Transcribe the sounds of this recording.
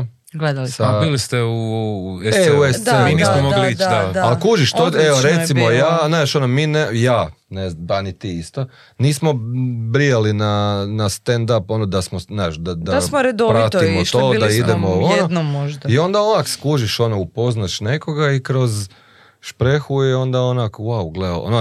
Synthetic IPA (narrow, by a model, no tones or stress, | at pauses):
ɡled̪alisabiːlist̪eueeueseunismomoɡliit͡ʃd̪d̪aaalkuʒiʃt̪oeoɾeimojaːnaʃo̞nomiːnejaːneanit̪iːist̪o | niːsmo̞bɾijelinanast̪end̪apo̞nod̪asmonaʃd̪ad̪assmoɾed̪opɾat̪imoʃt̪oːd̪aid̪emoojnod̪nooʒd̪aio̞nd̪aonakskuʒiʃo̞noupo̞znaʃne̞ko̞ɡaikɾo̞z | ʃpɾexujɛo̞nd̪aonakwawɡleo̰no